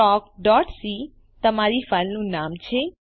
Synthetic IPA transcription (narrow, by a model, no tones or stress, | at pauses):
ɔːkɖɔːʈsi | t̪əmaɾifəlnũnaːmt͡ʃʰe